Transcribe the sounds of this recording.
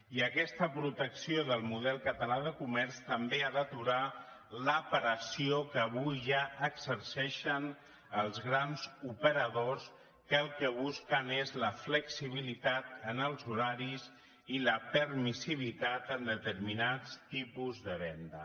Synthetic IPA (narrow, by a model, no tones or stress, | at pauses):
iəkɛst̪əpɾut̪əksioðəlˠmuðɛlˠkət̪əlaðəkumɛrst̪əmbead̪ət̪uɾa | ləpɾəsiokəːβujʒaəɡzəɾsɛʃən | əlˠzɣɾanzupəɾəðos | kəlˠkəβ̞uskənezləfləksiβ̞ilit̪at̪ənəlˠzuɾaɾiz | iləpəɾmisiβ̞it̪at̪ənd̪ət̪əɾminat͡st̪ipuzðəβɛnd̪ə